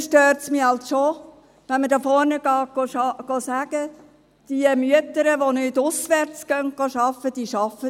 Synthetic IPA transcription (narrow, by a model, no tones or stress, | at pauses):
ʃtøːɾtsmiɑlsʃo | ʋɛnmədɑːfɔɾnəɡɑːɡ̥oɑɡ̥ɔsæɡ̥ə | d̥iəmyət̪əɾəʋonytʊsʋæɾt͡sɡ̥œn̚ɡ̥ɑʃɑfəd̥iːʃɑfə